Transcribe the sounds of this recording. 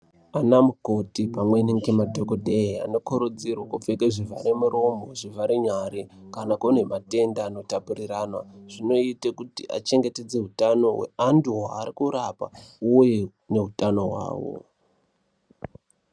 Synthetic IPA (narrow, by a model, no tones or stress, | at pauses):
anamuko̞tipamwe̞niŋɡemadʱokodʱeia̰no̞koɾud͡zirwakufekeʐivʱaɾemuɾomoʐivaɾiɲaɾikanakone̞mate̞ndaːno̞tapuriraːnwa̰ʐ̥ino̞itekutiʔa̰t͡ʃe̞ŋɡe̞ted͡ze̞ɦutano̞ɦwe̞̰anduɦaːrikuɾapa̰uje | ne̞ɦutano̞ɦwa̰ːwo̰